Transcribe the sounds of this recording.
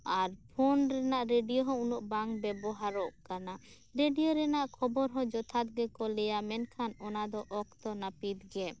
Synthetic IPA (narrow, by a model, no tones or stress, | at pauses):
aɾpʰɔnɾɛnaʔɾeɖijɔɦɔ̃unɔʔbaŋkbɛbɔɦaɾɔʔkana | ɾeɖijoɾɛnaʔkʰɔbɔɾɦɔ̃d͡ʒɔt̪ʰat̪̚ɡɛkɔlɛjamɛnkʰanɔnad̪ɔʔɔkt̪ɔnapit̪ɡɛ